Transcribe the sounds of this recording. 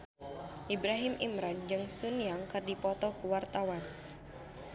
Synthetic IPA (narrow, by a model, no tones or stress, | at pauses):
ʔibɾaɦimʔḭmɾand͡ʒɨŋsunjaŋkɨrdipɔt̪ɔkuwart̪awan